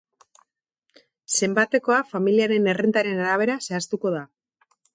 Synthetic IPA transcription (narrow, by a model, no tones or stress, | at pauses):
se̞mbat̪e̞ko̞afamiliaɾe̞ne̞rent̪aɾe̞naɾaβ̞e̞ɾase̞ast̪uko̞ð̞a